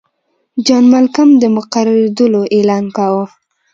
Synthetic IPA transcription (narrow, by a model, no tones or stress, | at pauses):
d͡ʒɑnmalkamd̪əmʊqaɾaɾed̪əloʔelɑnkawo